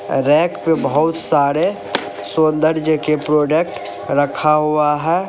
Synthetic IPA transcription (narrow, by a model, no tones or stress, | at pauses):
ɾɛ̃ːkpebəɦʊt̪saːɾe | sõːnd̪əɾd͡ʒəkepɾoːɖek̚ʈ | ɾəkʰaɦuaɦɛː